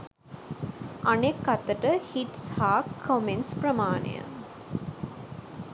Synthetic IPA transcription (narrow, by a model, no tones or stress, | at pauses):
ʔɐnekːɐt̪əʈəhiʈshaːkʰːomenspɾəmaːnḛjə̰